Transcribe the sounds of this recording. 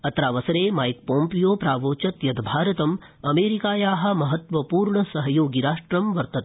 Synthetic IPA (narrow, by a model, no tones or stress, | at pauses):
ɐt̪ɾaːʋɐsɐɾeːmaːjk̚põːmpijoːpɾaːʋoːt͡ʃɐt̪jɐd̪bʱaːɾɐt̪ɐm | ɐmeːɾikaːjaːɦɐ̆mɐɦɐt̪ʋɐpuːɾɳɐsɐɦjoːɡiɾaːʂʈɾɐmʋɐɾt̪ɐt̪